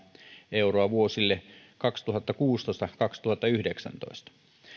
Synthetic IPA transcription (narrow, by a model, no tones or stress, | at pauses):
euroɑʋuosilːekɑkst̪uhɑt̪ːɑkuːst̪oˑest̪ɑkɑkst̪uhɑt̪ːɑyhdeksæ̰nt̪o̰ist̪ɑ̥